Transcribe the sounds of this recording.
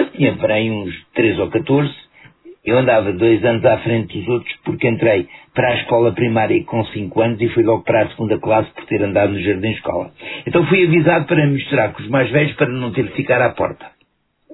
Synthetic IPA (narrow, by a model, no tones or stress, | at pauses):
t̪iɲɐpɐɾɐj̃ũʃt̪ɾezɔkɐt̪oɾz | ewɐ̃nd̪avɐðojzɐnzafɾẽnt̪̚d̪uzot̪ɾuʃpuɾkẽnt̪ɾɐjpɐɾaʃkɔlˠɐpɾimaɾjɐkõsĩŋkwɐnuzifujlˠɔɣpɐɾasɣũnd̪ɐklˠaspɔɾt̪eɾɐ̃nd̪aðunuʒɐɾðĩʃkɔ̰lˠɐ̰ẽnt̪ɐ̃w̃fujɐvizaðupɐɾɐmiʃt̪uɾaɾkõuʒmajʒvɛʎuʃpɐɾɐnɐ̃w̃t̪eɾfikaɾapɔ̰ɾt̪ɐ̥